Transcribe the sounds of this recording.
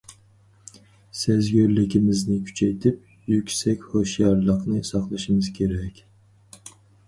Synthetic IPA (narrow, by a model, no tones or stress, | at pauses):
sezɡʲøɾlɪkʲʰimɪznɪkʲʰy̥t͡ʃʰɛjt̪ʰɪp̚ | jykʲsɛkʲhoʃjɑɾlˠəqnɨsɑqlˠɑʃɨmɨzkʲʰeɾɛkʲ